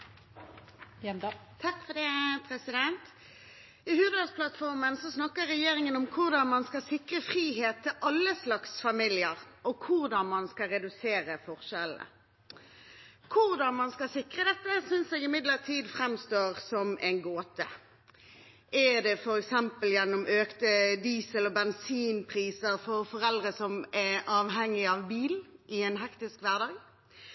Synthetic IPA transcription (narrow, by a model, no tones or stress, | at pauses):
t̪ʰɑkfɔd̪ɛːpʰɾɛsɪd̪ɛnt̪ | ɪhʉːd̪əspʰlɑt̪fɔʁmənsɔsnɑkːəːɛjeːʁɪŋənʊmkʰʊʁd̪ɑnmɑnskɑsɪkʁəfʁiːɦeːt̪ʰːɪlʔɑlːəslɑksfɑmiːlɪəʁʔɔkʰʊʁd̪ɑnmɑnskɑɾɛd̪ʉseːɾəfɔʁʃɛlə̰ | kʰʊʁd̪ɑnmɑnskɑsɪkʁəd̪ɛt̪ːəsʏnsɛɡɪmɪd̪ləʁt̪ʰiːd̪fʁɛmst̪oːʁsɔmɛɪnɡoːt̪ə | ʔɛd̪ɛfɔɾɛksɛmpəljɛnːɔmʔøːkt̪əd̪iːsəlɔbɛnsiːnpʰʁiːsəʁfɔʁfɔʁɛld̪ʁəsɔmæɑːʋɦɛŋːɪɑʋbiːlʔɪɛnɦɛkt̪ɪskʋæʁd̪ɑːɡ